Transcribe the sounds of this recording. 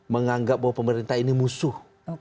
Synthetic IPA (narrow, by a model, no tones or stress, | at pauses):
məŋaŋɡap̚bawapəməɾint̪aɦinimusʊh